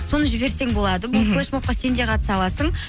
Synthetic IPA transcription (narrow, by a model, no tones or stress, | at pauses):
so̞nəʒɪbe̞ɾse̞ŋbo̞lˠɑd̪əbʊlˠkoʃmop̚qɑse̞nd̪e̞qʰɑt̪ə̥sɑlˠɑsəɴ